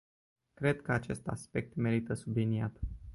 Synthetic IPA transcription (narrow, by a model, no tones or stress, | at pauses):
kɾe̞d̪kəat͡ʃe̞st̪a̰spe̞k̚t̪me̞ɾit̪əsubliniat̪